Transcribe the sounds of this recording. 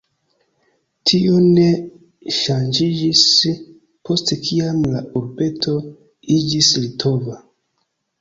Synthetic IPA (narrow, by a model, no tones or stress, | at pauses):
tʰione̞ | ʃand͡ʒid͡ʒis | pʰo̞stekʰiamlaʔuɾbe̞tʰo̞ | id͡ʒislitʰo̞va